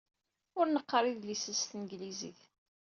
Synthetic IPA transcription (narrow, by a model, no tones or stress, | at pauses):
ʊɾnəqːɾˤɪðlisəst̪ənɡlizḭθ